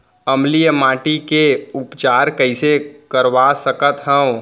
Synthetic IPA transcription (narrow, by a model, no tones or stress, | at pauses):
əmlijəmaːʈikeʊpt͡ʃaːɾkəɪsekəɾʋasəkət̪ɦɛ̃õ